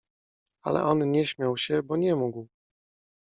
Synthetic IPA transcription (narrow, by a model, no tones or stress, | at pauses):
a̰lɛ̰ʔɔnɲɛɕmʲjawɕɛbɔɲɛmuɡw